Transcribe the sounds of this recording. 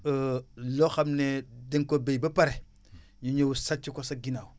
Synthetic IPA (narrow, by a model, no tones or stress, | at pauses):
loxamnedeŋkobebapaɾe | ɲuɲowusat͡ʃikosaɡinawu